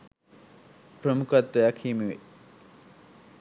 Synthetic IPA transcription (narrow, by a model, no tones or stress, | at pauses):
pɾəmukɐt̪ːɐjakʰiːmeʋḛ